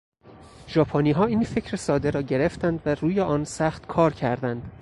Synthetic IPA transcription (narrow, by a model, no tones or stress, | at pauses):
ʒɒːpʰɒːniːɦɒːiːnfe̞cʰɾesɒːd̪eɾɒːɟe̞ɾe̞ft̪ænd̪væɾuːjeʔɒːnsæχt̪kʰɒːɾcʰæɾd̪ænd̪̥